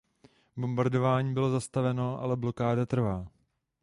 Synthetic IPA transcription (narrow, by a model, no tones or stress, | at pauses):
bo̞mbaɾdo̞vaːɲiːbɪlo̞zast̪avɛno̞ʔa̰lɛblo̞kaːdat̪r̩vaː